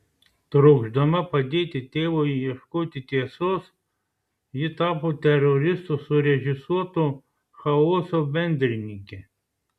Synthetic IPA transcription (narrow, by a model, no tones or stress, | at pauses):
t̪ɾɔɡʒd̪ɐmɐpɐd̪ʲeːt̪ʲɪt̪ʲeːwojijɛʃkoːt̪ʲɪt̪ʲiɛsos | jɪt̪ɑːpʊt̪ʲɛɾɔɾʲɪst̪ʊsʊɾʲɛʒʲɪsuɔt̪ʊ | xɐoːsɔbʲɛnʲd̪ʲɾʲnʲikʲɛ